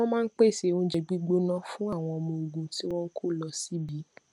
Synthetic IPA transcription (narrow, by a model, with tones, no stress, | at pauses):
ɔ̃˦mãː˦˧n̩˦k͡pe˦˨se˨õ˧˦d͡ʒɛ˧ɡ͡bi˦ɡ͡bo˦nã˦fũ˦a˦˨w̃ɔ̃˧ɔ˧mɔ̃˧o˨ɡũ˨ti˦w̃ɔ̃˦kʰo˦˨lɔ˧si˨˦bi˨˦